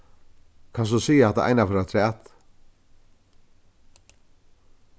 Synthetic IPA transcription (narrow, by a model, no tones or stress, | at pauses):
kʰas̬ɔsiːjahɛht̪a̰ʔa̰jnafɛɾat̪ʰɾɛːt̪